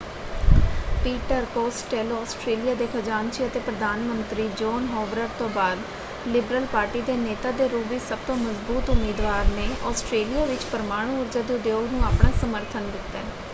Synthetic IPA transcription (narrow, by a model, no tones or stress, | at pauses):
piːʈəɾkoːsʈeːlɔːsʈɾeːlijaːd̪eːkʰəd͡ʒaːnʃiːət̪eːpɾəd̪aːnmənt̪ɾiːd͡ʒɔːnɦɔːʋɾəɾt̪õːbaːd̪ | lɪbɾəlpaːɾʈiːd̪eːneːt̪aːd̪eːɾuːbiːsəb̚t̪õːməzbuːt̪ʊmiːd̪ʋaːɾneːʔɔːsʈɾeːlijaːʋɪt͡ʃpəɾmaːɽ̃ũːʊɾd͡ʒaːd̪eːd̪eːolnũːaːpɳaːsəməɾt̪ʰənɡɪt̪ːɛː